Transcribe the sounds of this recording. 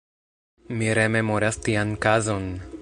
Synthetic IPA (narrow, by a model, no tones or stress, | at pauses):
miɾe̞me̞mo̞ɾastiankazo̞n